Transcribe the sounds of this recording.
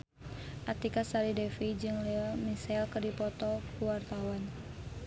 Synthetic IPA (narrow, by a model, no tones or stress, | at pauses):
ʔat̪ikasaɾidɛfid͡ʒɨŋlɛmisɛlkərdipɔt̪ɔkuwart̪awan